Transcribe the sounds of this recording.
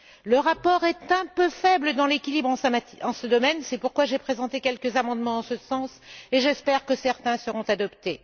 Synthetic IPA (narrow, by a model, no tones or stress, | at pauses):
ləʁapɔʁɛt̪ɛ̃pøfɛbləd̪ɑ̃lekʲilibʁɑ̃amaɑ̃səd̪ɔmɛnsɛpuʁkwaʒepχezɑ̃t̪ekʲɛlkəzamɑ̃d̪mɑ̃d̪ɑ̃səsɑ̃seʒɛspɛʁkəsɛʁt̪ɛ̃səʁɔ̃t̪ad̪ɔpt̪e